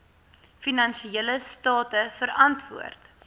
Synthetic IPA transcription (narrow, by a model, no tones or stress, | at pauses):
finɐnʃieləstɑːtəfəɾɐntvṵərt